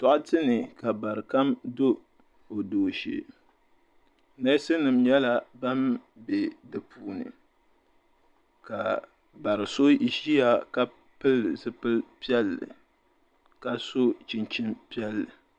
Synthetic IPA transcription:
tɔ˨ʔʊ˦tɨ˦nɨ˨ka˨ba˨ɾɨ˨ka˦mdo˦ | o˨doː˨ʃḛ˦˨ | na˦sɨ˦nɨ˨mɲɛ˦la˦ba˦m | be˨dɨ˨puː˨nɨ̰˨ | ka˨ | ba˨ɾɨ˨so˦i˦ʃi˦ja˨ka˦ | pɨ˦lzɨ˦pɨ˦lpi˦ɛ˦lːɨ̰˨ | ka˦so˦t͡ʃi˨nt͡ʃi˦mpi˦ɛ˦lːɨ˨

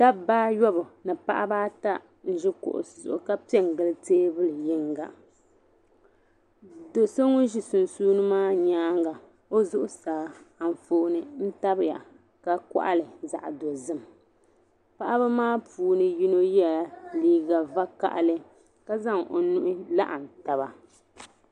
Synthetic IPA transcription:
ta˦baː˦jɔ˦bɨ˨nɨ˨pa̰˦ʔa˦baː˦ta˦ | n̩˦ʒɪ˦kʊ̰˨ʔʊ̰˨zʊ̰˨ʔʊ˨ka˦pi˦ɛ˦ŋ˨ɡɨ˨lɨ˦teː˦bɨ˦lɨ˨jɪ˦ŋɡa̰˨ | do˨so˦ŋʊ˦ʒi˨sʊ˨n˨suː˦nɨ˦maː˦ɲaː˦ŋɡa˨ | o˦zʊ˦ʔʊ˦saː˨a˨n˨fo˦˨˦nɨ˦n̩˦ta˦bja̰˨ | ka˨kɔ̰˦ʔa̰˦lɨ˨za̰˨ʔdo˨zɨ˦m | pa˦ʔa˦ba˦maː˦puː˦nɨ˦ji˦no˦jɛ˦a˨liː˦ɡa˨va˦ka̰˨ʔlɨ˦ | ka˦za˦ŋo̰˨nu˦ʔɪ˦la̰˦ʔa˨n̩˨ta˨ba˨

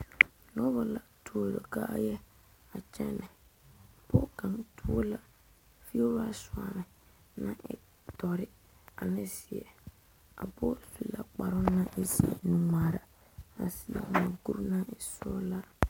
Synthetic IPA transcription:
nɔ˦ba˨la˨tu˨o˦ɾo˨ka˦ʔa˦jɛ˦ | a˨t͡ʃɛ˦nɛ˨ | pɔ˦ka˨ŋtʰu˦o˦la˦ | fi˦o˦ɾa˦swa˨nɪ˨ | nã˦ɪ̰˨ | tɔ˨ɾɪ˦ | a˨nɪ˦sɪ˨ɛ˨ | a̰˨pɔ˦su˨la˨k͡pa˨ɾʊ˦na˦ʔɪ˦si˨ɛ̰˨nu˨ŋa˨ɾa˨ | a˨si˨ɛ̰˨na˨ɡu˦ɾna˦ɪ˨sɔ˦la˦

